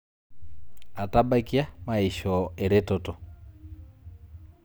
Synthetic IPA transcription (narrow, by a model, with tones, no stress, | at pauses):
a˨taba˦kia˦ma˨i˨ʃɔɛ˨ɾe˦tɔtɔ˨